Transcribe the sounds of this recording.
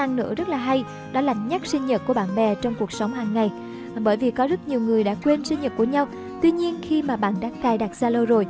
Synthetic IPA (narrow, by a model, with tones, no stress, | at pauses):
a˧ŋnɨ̰˧˥əzə˦˥t̚laː˨˩ɦa˧j | ɗɔ˨˦la˧˩ŋ̟ɲa˦˥k̚sï˧ŋ̟ɲə˨˩t̚ku˧˩əɓa̰ː˧˨nɓɛ˨˩t͡ɕɔ˧wŋ͡mku˨˩ək̚sə˨˦wŋ͡mɦaː˨˩ŋŋa˨˩j | ɓəː˧˩jvi˨˩kɔ˨˦zə˦˥t̚ɲi˨˩əwŋɨ˨˩əjɗa̰ː˧˥kwe˧nsi˧ŋ̟ɲə˨˩ku˧˩əɲa˧w | t̪wi˧ɲi˧ənxi˧maː˨˩ɓa̰ː˧˨nɗaː˧˥ŋt̪aː˧jɗa˨˩t̚zaː˧lo˧wzo˨˩j